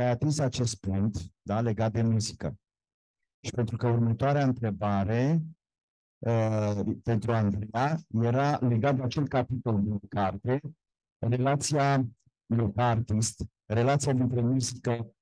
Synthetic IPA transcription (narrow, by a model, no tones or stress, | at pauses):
ajat̪insat͡ʃe̞st̪̚puŋk̚t̪d̪ale̞ɡat̪̚d̪e̞muzikə | ʃi̥pe̞nt̪ɾukəurmət̪oaɾeaɨnt̪ɾe̞baɾe̞ | əpe̞nt̪ɾuaɨnd̪ɾejaje̞ɾale̞ɡat̪̚d̪eat͡ʃe̞l̚kapit̪o̞ld̪inkart̪e̞ | re̞lat̪sia | jokaart̪ist̪ | re̞lat̪sijad̪int̪ɾe̞muzikə